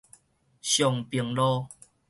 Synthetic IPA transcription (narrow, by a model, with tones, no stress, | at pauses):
ɕjɔ˨˩ŋpi˨˩əŋlɔ˦